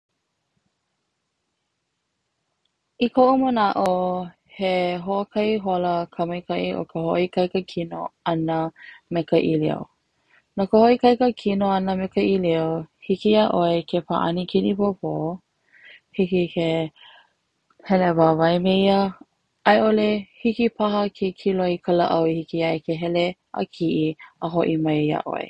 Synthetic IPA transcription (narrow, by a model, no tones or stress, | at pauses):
ikʰoʔumənaʔo | heɦoəkʰɐiɦoləkʰəmɐjkʰɐʔiʔo̰kʰəho̰ʔikɐjkəkʰino̰ɐnəmekəʔilḭo̰ | nokəhoʔikɐjkəkʰinoɐnəmekəiliohikijaʔoekʰepʰaʔɐ̰nikʰinipopʰo | hikikʰe | hɛlevavɐjmeiə | ʔɐjʔolehikipʰɐɦəkʰekʰiloikʰələʔɐwhikiɐjkeɦɛle | ə̰kʰiʔiəɦoʔimɐjja̰ʔo̰ḛ